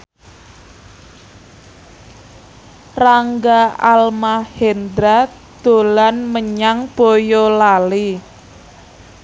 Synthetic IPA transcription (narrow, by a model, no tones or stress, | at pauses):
raŋɡaalmahend̪ɾa | d̪̥o̤lanməɲaŋb̥ojolali